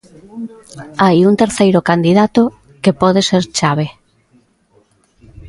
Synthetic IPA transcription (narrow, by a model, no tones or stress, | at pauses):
ajunt̪eɾθejɾokand̪iðat̪o | kepɔð̞eseɾt͡ʃaβe